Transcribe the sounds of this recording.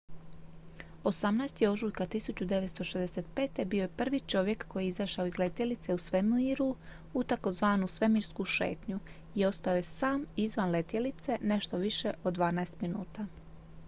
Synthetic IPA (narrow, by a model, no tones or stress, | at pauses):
o̞samnaest̪jeo̞ʒuːjkat̪isut͡ɕud̪e̞ʋet̪st̪o̞ʃezd̪eset̪̚pe̞ːt̪e̞bio̞jepr̩ʋit͡ʃo̞ʋje̞kːo̞jiizaʃaoizle̞t̪jelit̪se̞usʋe̞mumiɾu | ut̪ako̞zʋaːnusʋe̞miɾskuʃe̞̰ːt̪ɲu | io̞st̪ao̞jesaːmizʋanle̞t̪jelit̪se̞ne̞ʃt̪o̞ʋiʃe̞ʔod̪ʋaːnaest̪minuːt̪a